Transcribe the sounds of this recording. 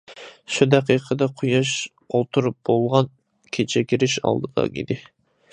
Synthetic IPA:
ʃud̪æqʰiqʰəd̪ɑqʰujɑʃ | olˠt̪ʰuɾup̚b̥olˠʁɑn | kʲʰet͡ʃʰɛkʲiɾɪʃɑ̰lˠd̪ɨd̪ɑ̰ḭd̪ɪ

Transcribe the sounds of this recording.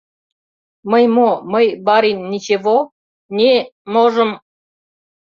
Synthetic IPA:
məjmoməjbɑɾinːʲit͡ɕeβo | nʲemoʒəm

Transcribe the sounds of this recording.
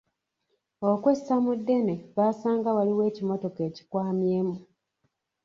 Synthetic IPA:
okwesamudːe̞neβasaːŋɡawaliwe̞ːcimo̞to̞ke̞ːci̥kwaːmjeːmu

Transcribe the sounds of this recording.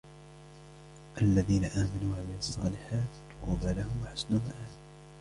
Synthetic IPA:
ʔalːaðiːnaʔaːmanuːʕalaɑsˤːɑ̰ːlɪħaːt̪ | qubalahʊmwaħḁsnʊmaʔaː

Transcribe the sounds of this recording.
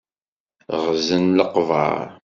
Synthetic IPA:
ʁzənləqːvɑ̰ɾˤ

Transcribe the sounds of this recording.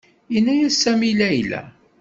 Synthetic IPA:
inːæjæsːæmilæjlæ̰

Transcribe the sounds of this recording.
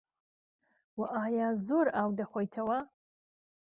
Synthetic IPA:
waʔaːjaːzoɾaːwdɐχʷojtʰɐwa

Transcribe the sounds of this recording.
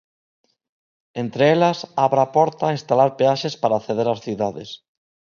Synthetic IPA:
ent̪ɾeelasaβɾapɔɾt̪ainst̪alaɾpeaʃespaɾaːθeð̞eɾasθiðaðes

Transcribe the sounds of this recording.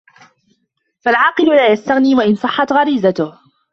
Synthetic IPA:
falʕɑːqɨlʊlaːjast̪aɣniːwaʔɪnsˤɑħːɑt̪ɣɑɾiːzat̪ʊh

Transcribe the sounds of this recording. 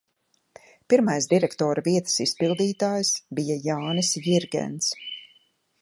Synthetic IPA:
piɾmajsd̪iɾɛkt̪ɔːɾaviɛt̪ə̥sispilˠd̪iːt̪aːjsbijajaːnisjiɾɡɛ̰nt̪s

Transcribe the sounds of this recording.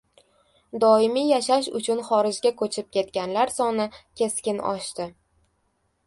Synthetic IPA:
d̪ɒɪmijaʃaʃ̬ʊ̰t͡ʃʰʊnχɒɾɪd͡ʒɡʲakʰɵt͡ʃʰɪp̚kʲʰe̞t̪̚kʲanlaɾsɒnɪkʲʰe̞skʲɪnɒ̰ʃt̪ɪ

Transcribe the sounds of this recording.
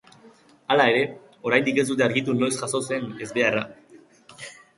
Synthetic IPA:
alae̞ɾe̞ | o̞ɾajnd̪ike̞z̬ut̪e̞aɾɣit̪uno̞jsʝaso̞se̞ne̞zβe̞ara

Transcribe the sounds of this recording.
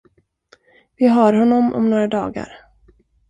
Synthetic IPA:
vɪɦaːɾɦɔnːɔmʔɔ̰mnoːɾad̪ɑ̰ːɡa̰ɾ

